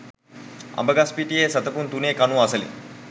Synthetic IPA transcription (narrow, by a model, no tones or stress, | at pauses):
ɐ̰mbəɡaspiʈijeːsɐt̪əpunt̪uneːkanuasəlḭ